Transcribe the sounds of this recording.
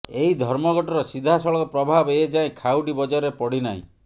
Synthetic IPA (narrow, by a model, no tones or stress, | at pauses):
eɦid̪ʱɔɾmɔɡɔʈɔɾɔsid̪ʱasɔɭɔkɔpɾɔbʱabeed͡ʒaẽkʰawɖibɔd͡ʒaɾepɔɽina̰ḭ̃